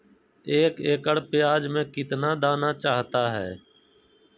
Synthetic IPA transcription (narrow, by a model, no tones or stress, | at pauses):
eːkeːkəɽpɪjaːd͡ʒmẽːkɪt̪naːd̪aːnaːt͡ʃaːɦt̪aːɦɛ̰ː